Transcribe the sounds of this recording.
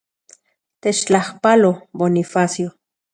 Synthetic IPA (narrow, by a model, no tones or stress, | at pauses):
t̪et͡ʃt͡ɬahpalobonifasjo